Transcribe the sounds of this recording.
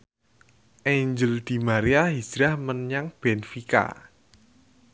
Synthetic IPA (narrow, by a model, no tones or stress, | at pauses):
ʔaɲd͡ʒəld̪̥i̤maɾiaɦi̥d͡ʒ̥ɾahmənɲaŋb̥ɛnfika̰